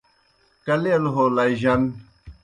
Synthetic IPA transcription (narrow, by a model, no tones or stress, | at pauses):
kɐleɐlɦolaiʑɐn